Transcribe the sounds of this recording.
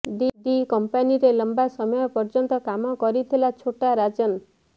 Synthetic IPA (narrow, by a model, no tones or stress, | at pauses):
didikɔmpaniɾelɔmbasɔmɔjɔpɔɾd͡ʒɔnt̪ɔkamɔkɔɾit̪ʰilat͡ʃʰoʈaɾad͡ʒɔn